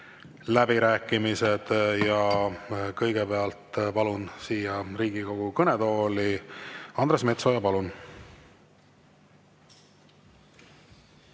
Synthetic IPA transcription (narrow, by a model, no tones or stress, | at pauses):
læbiɾæːkːˑimised̪̥jɑ | kɤjɡ̥epe̞ɑlt̪pɑlunsiːjɑriːɡ̥iko̞ɡ̥ukɤned̪o̞ːliɑnd̪ɾresme̞t̪so̞jɑpɑlun